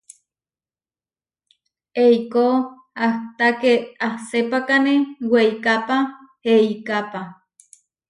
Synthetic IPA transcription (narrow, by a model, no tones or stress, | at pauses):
eiko | aht̪akeahsepakaneweikapa | heikapa